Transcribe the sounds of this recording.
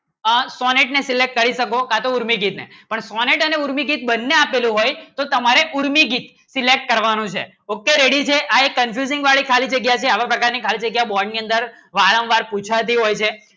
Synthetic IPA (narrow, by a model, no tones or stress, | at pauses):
əsɔneʈnesilek̚ʈ̚kəɾiʃəkokat̪ouɾmiɡit̪nḛpəɳsɔneʈəneuɾmiɡit̪̚bənːeapelũɦojt̪ot̪əmaɾeʔuɾmiɡit̪ | silek̚ʈ̚kəɾʋanũt͡ʃʰḛ | okːeɾeɽit͡ʃʰeʔaekːənfʰjuzɪ̃ŋɡʋaɭikʰalid͡ʒəɡjat͡ʃʰeaʋapɾəkaɾnikʰalid͡ʒəɡjabɔɾɖniənd̪əɾ | ʋaɾə̃mʋaɾput͡ʃʰat̪ʰiɦojt͡ʃʰe